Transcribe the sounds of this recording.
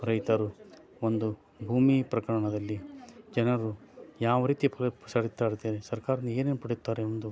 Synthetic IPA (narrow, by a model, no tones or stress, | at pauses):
ɾɐjt̪ɐɾu | ond̪u | bʱuːmipɾɐkɐɾɐɳɐd̪ɐlːid͡ʒɛnɐɾujaːʋɐɾiːt̪ipɐpɐsaːɽit̪ːaːɽt̪ːeːnesɐɾkaːɾɐnːe̞ːnenupɐɽejut̪ːaːɾeond̪u